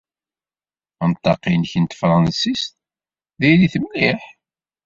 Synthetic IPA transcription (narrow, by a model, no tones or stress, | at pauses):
ənt̪ˤːɑqinçənt̪fɾˤɑnsist̪ | ðiliθəmliħ